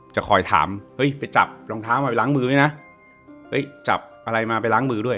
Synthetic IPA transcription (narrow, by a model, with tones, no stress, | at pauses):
t͡ɕa˨˩kʰɔː˨˩jt̪ʰa̰ː˩˦mhɤ˦˥jpa˧jt͡ɕa̰˨˩p̚loː˧ŋt̪ʰaː˦˥wmaː˧pa˧jlaː˦˥ŋmɯː˧u˥˩jna˦˥ | hɤ˦˥˩jt͡ɕa̰˨˩p̚ʔa˧ɾa˧jmaː˧pa˧jlaː˦˥ŋmɯː˧du˥˩əj